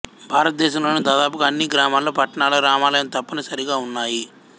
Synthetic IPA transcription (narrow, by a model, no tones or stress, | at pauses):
bʱaːɾɐt̪̚d̪ɛːʃɐmlo̞ːnid̪aːd̪aːp̬ukɐɐnːiɡɾaːmaːlːoːpɐʈːɐɳaːlɐːɾaːmaːlɐjɐmt̪ɐpːɐnɐsɐɾiɡaːunːaːji